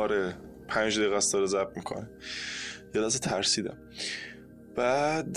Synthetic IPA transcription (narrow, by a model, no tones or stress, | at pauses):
ɒɾe | pʰænd͡ʒd̪ejɣæsd̪ɒɾezæb̚mikʰo̰ne | jelæset̪ʰæɾsiːd̪æ̰m | b̥æd̪